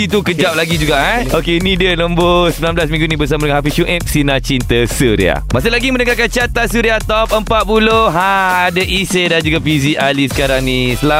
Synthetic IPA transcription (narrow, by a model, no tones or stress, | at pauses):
it̪ukəd͡ʒap̚laɡid͡ʒuɡaʔaokenidiəlombosəmblamblasmĩŋɡunĩbərs̬amadəŋãnhɦafisuʔɛp̚sinãt͡ʃint̪əsuɾḭa̰masʊlaɡimə̃nəŋakant͡ʃat̪asuɾiat̪ɔp̚əmpat̪̚puloɦaadaʔisedand͡ʒuɡapizialisə̥kaɾaŋnisəla